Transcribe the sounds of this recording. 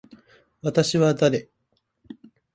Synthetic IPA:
βat̪aɕiβad̪aɾe̞

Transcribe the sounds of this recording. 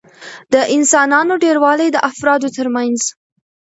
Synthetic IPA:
d̪̥əʔɪnsɑnɑnoɖeɾwɑlajd̪əʔafɾɑd̪ot̪əɾmanz

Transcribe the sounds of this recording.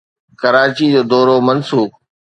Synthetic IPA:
kəɾaːt͡ɕiːd͡ʑoːd̪ɔːɾoːmənsuːk

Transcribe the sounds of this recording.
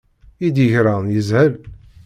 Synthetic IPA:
id̪əçɾanjəzhəl

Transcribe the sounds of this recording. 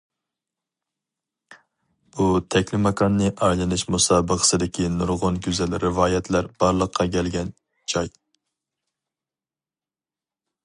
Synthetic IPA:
but̪ʰɛkʲlɪmɑkɑnːɨʔɑjlˠɨnɪʃmusɑːbəqʰə̥sɨd̪ɪkʲinuɾʁʊnkʲyzælɾɪvɑːjɛt̪ʰlæɾb̥ɑɾlˠəqʰːɑkʲʰɛlɡʲɛn | d͡ʒɑj

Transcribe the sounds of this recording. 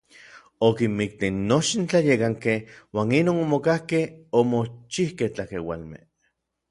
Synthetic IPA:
okimmik̚t̪enːot͡ʃint͡ɬajekaŋkehwaːninoːnomokahkehomot͡ʃihkeht͡ɬakewa̰lmḛh

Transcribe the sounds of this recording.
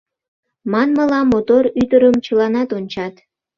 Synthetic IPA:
mɑnməlɑmot̪oɾyd̪əɾəmt͡ɕəlɑnɑt̪onʲt͡ɕɑt̪

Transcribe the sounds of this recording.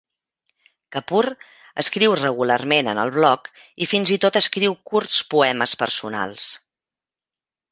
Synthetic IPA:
kəpur | əskɾiwrəɣularmenənə̰lˠβlɔk | ifinzit̪ot̪əskɾiwkurspuɛməspərsuna̰lˠs

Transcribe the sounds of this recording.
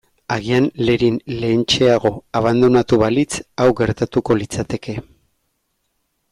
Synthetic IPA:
aɣ̞ianle̞ɾinle̞ːnt͡ʃe̞aɣ̞o̞aβ̞and̪unat̪uβalit͡sawɣe̞ɾt̪at̪uko̞lit͡sat̪e̞kʰe̞

